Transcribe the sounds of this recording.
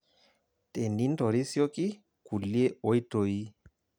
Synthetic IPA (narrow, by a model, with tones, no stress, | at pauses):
te˨ni˦nto˨ɾi˦sjo˦ki˦ | ku˨li˦e˦o˦i˦to˨i˦